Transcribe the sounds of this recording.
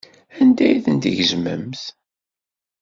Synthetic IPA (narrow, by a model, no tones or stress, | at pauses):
ænd̪æjiθənt̪əʝəzmə̰mθ